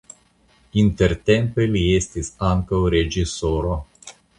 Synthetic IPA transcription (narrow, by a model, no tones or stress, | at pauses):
int̪eɾt̪e̞mpeliest̪isaŋkawɾed͡ʒisoɾo